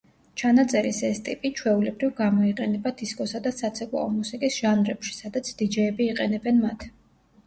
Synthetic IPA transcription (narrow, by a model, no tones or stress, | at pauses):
t͡ʃʰanat̪sʼɛɾisɛst̪ʼipʼit͡ʃʰwɛulɛbɾivɡamɔiqʼɛnɛbad̪̥iskʼɔsad̪asat̪sʰɛkʼwˠa̰ɔmusikʼisʒ̥anɾɛpʃi̥sad̪at̪sʰd̪̥id͡ʒɛːbiːqʼɛnɛbɛnmat̪ʰ